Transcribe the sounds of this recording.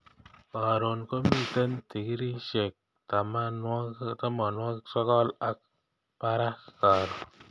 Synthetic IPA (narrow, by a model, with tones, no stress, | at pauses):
ka˨ɾo˨nko˦mi˦˨t̪ə˦nt̪i˨ki˦ɾi˦ʃe˨k̚ | ta˨ma˦n˦t̪a˦mɔ˨nwɔ˦ksɔ˦kɔ˦la˦k̚ | pa˦ɾa˦ska˨ɾo˨